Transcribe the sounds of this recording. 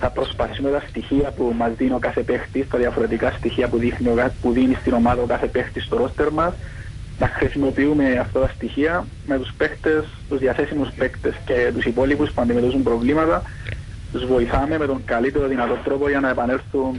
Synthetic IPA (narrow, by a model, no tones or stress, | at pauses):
θɐpɾo̞spɐθi̥sume̞t̪ɐst̪içiɐpumɐzðinokaθe̞pe̞xt̪ist̪ɐðjɐfoɾe̞t̪ikɐst̪içiɐpuðixniopuðinist̪ino̞maðɐokɐθe̞pe̞xt̪ist̪oɾo̞st̪e̞ɾmɐs | nɐxɾisimo̞piume̞ɐft̪ɐt̪ɐst̪içiɐ | me̞t̪uspe̞xt̪e̞s | t̪uzðiɐθe̞simuspe̞kt̪e̞sce̞t̪usipo̞lipuspuɐnd̪ime̞t̪osumpɾo̞vlimɐt̪ɐ | zvo̞iθɐme̞me̞t̪o̞ŋɡɐlit̪eɾo̞ðinɐt̪o̞t̪ɾo̞po̞ʝɐnɐepɐne̞lθun